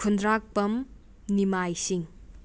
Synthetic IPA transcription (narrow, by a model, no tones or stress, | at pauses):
kʰundɾak̚pɐm | nimajsiŋ